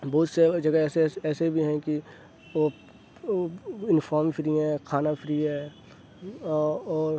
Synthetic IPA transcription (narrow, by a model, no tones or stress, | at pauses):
bɔːt̪sed͡ʒɐɡaɛːseɛːsebʱiɦɛ̃ki | o | ɪnfɔːɾmpʰɪɾiɦɛ̃ːkʰaːnafʰɾiɦɛː | ɔːɾ